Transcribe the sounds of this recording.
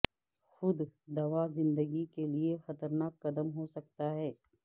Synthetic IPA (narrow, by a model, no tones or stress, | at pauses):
xʊd̪d̪ɐʋazɪ̃nd̪əɡikeliexɐt̪əɾnaːkːɐd̪əmɦosɐk̚t̪aɦɛː